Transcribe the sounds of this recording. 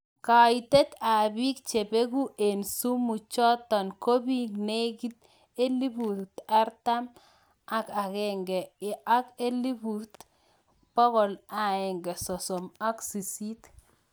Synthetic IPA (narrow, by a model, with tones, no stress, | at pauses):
ka˨i˨t̪e˦t̪a˨bi˦k̚t͡ʃe˨be˦ɡu˦ʔe˨nsu˦mu˨t͡ʃɔ˦t̪ːɔ˨nko˦bi˦ŋne˦ɡi˦t̪ | e˦li˦bu˨t̪a˦ɾt̪a˦m | a˦ka˨ɣɛ˦ŋɡɛ˨ʔa˦ke˦li˦bu˨t̪ | b̥ɔ˦kɔ˨la˨ɛ˨ŋɡɛ˨sɔ˨sɔ˨ma˦ksi˨si˦t̪